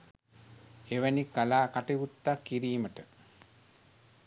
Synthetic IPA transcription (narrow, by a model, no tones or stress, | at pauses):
eʋənikːalaːkaʈiʋut̪ːakːiɾiːməʈə